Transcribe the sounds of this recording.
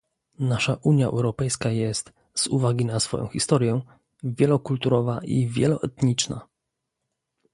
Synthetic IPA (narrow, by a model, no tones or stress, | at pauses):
naʂaʔuɲjaʔɛ̰wɾɔpɛjskajɛst̪ | z̥uvaɡʲinasfɔ̰jɔ̰̃xʲist̪ɔɾjɛ | vʲjɛlɔkult̪uɾɔvaʔivʲjɛlɔʔɛt̪ɲit͡ʂna̰